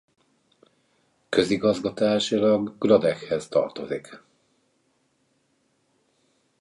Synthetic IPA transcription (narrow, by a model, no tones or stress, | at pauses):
kø̞ziɡɒzɡɒt̪aːʃilɒɡɡrɒd̪ɛkhɛzt̪ɒ̰rt̪o̞zik